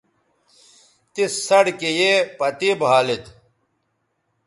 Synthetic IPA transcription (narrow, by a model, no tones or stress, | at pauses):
t̪issɐɽkejepɐt̪ibʱɦaːlit̪